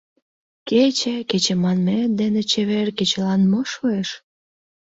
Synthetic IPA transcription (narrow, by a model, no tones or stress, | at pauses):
ket͡ɕeket͡ɕemɑnmed̪enet͡ɕeβerket͡ɕelɑnmoʃoeʃ